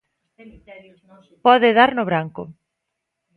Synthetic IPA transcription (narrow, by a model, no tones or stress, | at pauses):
pɔðɪðaɾnʊβɾaŋkʊ